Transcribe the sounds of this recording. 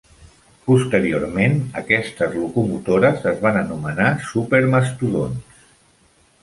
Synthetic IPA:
pust̪əɾioɾmenə̰kɛst̪əzlukumut̪oɾəzəzβanənumənasupeɾməst̪uðons

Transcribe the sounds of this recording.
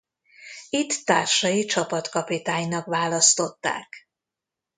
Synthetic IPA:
it̪ːaːrʃɒjit͡ʃɒpɒt̪kɒpit̪aːɲnɒkʋaːlɒst̪o̞t̪ːa̰ːk

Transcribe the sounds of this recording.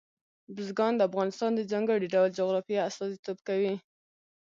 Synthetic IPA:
bɪzɡɑnd̪əafɣɑnɪst̪ɑnd̪əd͡ʒaŋɡəɽiɖawld͡ʒoɣɾɑfijaast̪ɑzit̪obkawi

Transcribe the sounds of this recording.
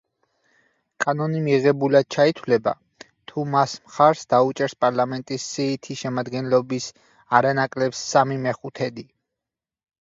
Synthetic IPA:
kʼanɔnimiʁɛbulad̪̥̚t͡ʃʰait̪ʰwlɛba̰ | t̪ʰumasmχaɾsd̪aut͡ʃʼɛɾspʼaɾlˠamɛnt̪ʼisːiːt̪ʰiʃɛmad̪ɡɛnlɔbis | aɾanakʼlɛpsːamimɛχut̪ʰɛd̪i

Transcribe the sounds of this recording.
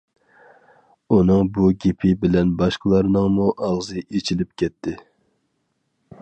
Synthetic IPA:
unɨŋbuɡʲepʰɪbɪlɛnbɑʃqəlˠɑɾnɨŋmuʔɑʁzɨʔet͡ʃʰilɪp̚kʲʰɛt̪ʰːɪ

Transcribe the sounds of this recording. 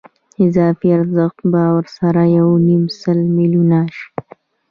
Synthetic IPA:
ɪzɑːfiaɾzəxt̪bawaɾsaɾajawnimsalmilunaʃ

